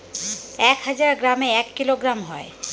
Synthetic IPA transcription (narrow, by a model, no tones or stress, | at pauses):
ɛkɦad͡ʑaɾɡɾameɛkːiloɡɾamɦɔe